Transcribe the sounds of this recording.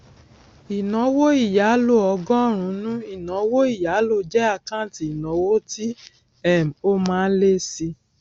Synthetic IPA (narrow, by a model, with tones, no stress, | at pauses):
i˨nɔ̃˨˦wo˦i˦˨ja˨˦lo˦˨ɔ˨˧ɡɔ̃˦˨ɾ̃ũ˨˦nũ˦i˦˨nɔ̃˨˦wo˦i˦˨ja˨˦lo˦˧˨d͡ʒɛ˦a˦˧˨kã˦˨ti˨i˨nɔ̃˨˦wo˦ti˦ | ɛ˦˨m˨o˦mãː˨˦˧n̩˦le˦si˧